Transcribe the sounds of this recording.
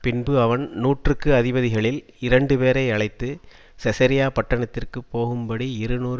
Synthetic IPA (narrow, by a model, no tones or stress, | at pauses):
pɪnbɯɐʋɐnnuːʈrɯkːɯɐðɪbɐðɪɣɐɭɪl | ɪɾɐɳɖɯpeːɾɐɪɐɭɐɪt̪ːɯ | sɛsɐɾɪjaːpɐʈːɐɳɐt̪ːɪrkɯpːoːɣɯmbɐɽiɪɾɯnuːɾ